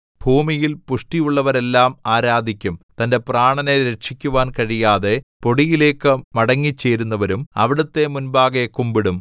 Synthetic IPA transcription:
bʱuːmijilpuʂʈijuɭːɐʋɐɾe̞lːaːmaːɾaːd̪ʱikʲːumt̪ɐnde̞praːɳɐneɾeʈʂikʲːuʋaːnkɐɻijaːðe̞po̞ɽijile̞ːkːɨmɐɽɐŋːit͡ɕːe̞ːɾunːɐʋɐɾumɐ̰ʋiɽut̪ːe̞munbaːɡekːumbiɽum

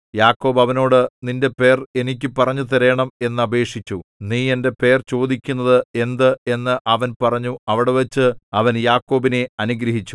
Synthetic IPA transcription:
jaːkːo̞ːbɐʋɐno̞ːɽɨninde̞pe̞ːre̞nik̬ʲːɨpɐrɐɲːut̪̬eɾeːɳɐme̞nːɨɐbe̞ːkʂit͡ɕʲːuniːe̞nde̞pe̞ːrt͡ɕo̞ːd̪ikʲːunːɐðɨe̞nd̪ɨe̞nːɨʔɐʋɐnpɐrɐɲːuɐʋiɽeʋɐt͡ɕːɨɐʋɐnjaːkːo̞ːbine̞ɐnuɡɾɐɦit͡ɕːu

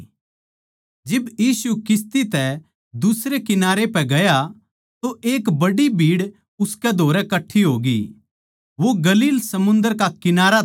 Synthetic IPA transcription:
d͡ʒɪbjiːsukɪs̬t̪it̪ɛ | d̪ʊsɾekɪnaːɾepɛɡɐja | t̪oʔeːkbɐɽibʱiːɽ | ʊskɛd̪ʱoːɾɛkɐʈʰːiɦoːɡḭ | ʋoɡɐliːlsɐmʊ̃nd̪əɾkakɪnaːɾa

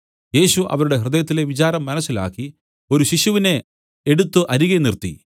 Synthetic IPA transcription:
je̞ːɕuʔɐ̰ʋɐɾuɽe̞ɦrɨd̪ɐjɐt̪̬ːile̞ʋit͡ɕaːɾɐmːɐnɐsːila̰ːkːi | o̞ɾuɕiɕuʋine̞ | eɽut̪ːɨʔɐɾiɣenirt̪ːḭ

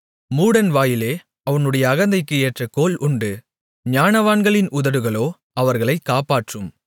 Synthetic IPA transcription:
muːɽɐnʋaːjɪleː | ɐʋɐnɯɽɐjɐːɣɐnd̪ɐɪkːɯeːʈrɐkoːlʊɳɖɯ | ɲaːnɐʋaːnɡɐɭɪnʔʊðɐɾɯɣɐɭoː | ɐʋɐɾɣɐɭɐɪkːaːpaːʈrɯm

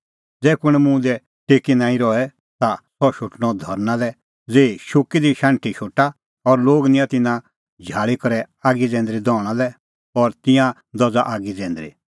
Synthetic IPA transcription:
d͡zɛːkʊɽ̃ɛmũd̪ɛ | ʈeːkinãːĩɾɔɛ | t̪asɔʃʊʈɽ̃ɔd̪ʱɔɾnalɛ | d͡zeːiʃʊkid̪iʃãːɳʈʰiʃʊʈa | ɔɾloːɡnɪ̃jãt̪ɪnã | d͡ʒʱaːɭikɔɾɛ | aːɡid͡zɛ̃ːnd̪ɾid̪ɔːɽ̃alɛ | ɔɾt̪ɪ̃jã | d̪ɔd͡zaʔaːɡid͡zɛ̃ːnd̪ɾḭ

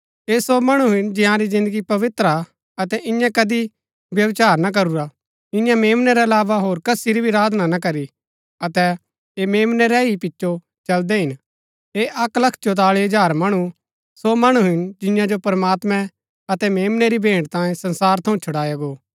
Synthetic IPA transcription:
esomɐɽ̃uɦɪnd͡ʒɪ̃jãɾizɪ̃nd̪əɡipɐʋɪt̪ɾa | ɐt̪ɛʔɪ̃jãkɐd̪i | ʋjɐʋt͡ʃaːɾnak̬ɐɾuɾa | ɪ̃jãmeːmnɛɾɛɐlaːʋaɦoːɾkɐsiɾibʱiɾaːd̪ʱnanak̬ɐɾi | ɐt̪ɛ | emeːmnɛɾɛipɪt͡ʃːʃo | t͡ʃɐld̪ɛɦɪn | eʔɐklɐkʰt͡ʃot̪̬aːɭiɐd͡ʒaːɾmɐɽ̃u | somɐɽ̃uɦɪnd͡ʒɪ̃jãd͡ʒopɐɾmaːt̪mɛ̃ | ɐt̪ɛmeːmnɛɾibʱẽːɳɖt̪ãːjẽsɐ̃nsaːɾt̪ʰɐ̃ũt͡ʃʰʊɽaːjaɡoː

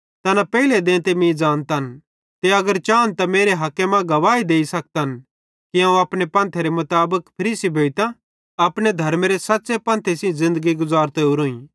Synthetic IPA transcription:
t̪ɐnapɛiled̪ẽːt̪emĩd͡ʒaːnt̪aɦən | t̪eɐɡəɾt͡ʃaːnt̪ameːɾeɦɐkːemãɡɐʋaːid̪eːisɐk̚t̪ɦɐn | kiãːũɐpɽepɐ̃ːnt̪ʰeɾemʊt̪aːbəkpʰɐɾiːsibʱeːit̪ã | ɐpɽ̃ed̪ʱɐɾmeɾesɐtːsepɐ̃ːnt̪ʰesĩzɪ̃nd̪əɡiɡʊzaːɾt̪ɛʊɾoːĩ

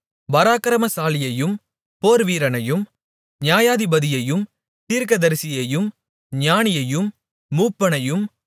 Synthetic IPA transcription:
ʋɐɾaːkɐɾɐmɐsaːlɪjɐjɯm | poːɾʋiːɾɐnɐjɯm | ɲjaːjaːðɪbɐðɪjɐjɯm | t̪iːɾkɐðɐɾsɪjɐjɯm | ɲjaːnɪjɐjɯmː | uːpːɐnɐjɯm

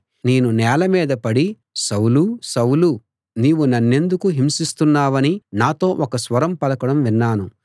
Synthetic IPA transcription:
ne̞ːnunɛːlɐmiːd̪ɐpɐɽi | sɐwlusɐwlu | niːʋunɐnːe̞nd̪ukuɦimsist̪unːaːʋɐninaːt̪o̞ːʔɔkɐsʋɐɾɐmpɐlɐkɐɽɐmʋinːaːnu

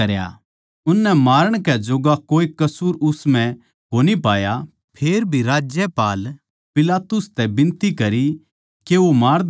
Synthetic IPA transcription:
ɐɾja̰ | ʊnːɛmaːɾəɽ̃kɛd͡ʒoːɡakoːikɐsuːɾʊsmɛ̃ | koːnipaːja | pʰeːɾbʱiɾaːd͡ʒjəpaːl | pɪlaːt̪ʊst̪ɛbɪ̃nt̪ikɐɾi | keʋomaːɾ

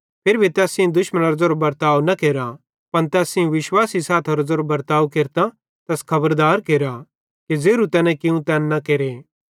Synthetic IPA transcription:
pʰeɾbʱit̪ɛːsɪ̃ũd̪ʊʃmənɐɾd͡zoːɾobɐɾt̪aːwnɐkeːɾa | pɐnt̪ɛːsɪ̃ũʋɪʃwaːsisaːt̪ʰoɾɐd͡zoːɾobɐɾt̪aːukeːɾt̪a | t̪ɛːskʰɐbəɾd̪aːɾkeːɾa | ked͡zeːɾut̪ɛːnɛ̃kɪũt̪ɛːnnɐkeːɾeː

